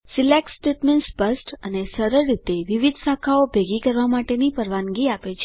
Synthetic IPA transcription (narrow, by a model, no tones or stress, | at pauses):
silek̚sʈeʈmensbəsʈənesəɾəɭːit̪eʋiʋid̪ʱsakʰaobʱeɡikəɾʋamaʈenipəɾʋanɡiapet͡ʃʰe